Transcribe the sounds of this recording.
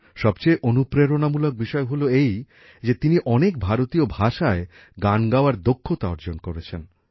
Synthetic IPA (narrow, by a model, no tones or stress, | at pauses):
ʃɔbt͡ɕejʔonupɾeɾonamulok̚biʃɔeɦoloej | d͡ʑet̪iniʔɔnek̚bʱaɾot̪iobʱaʃae | ɡanɡaoaɾd̪okʰːot̪aɔ̰ɾd͡ʑonkoɾet͡ɕʰen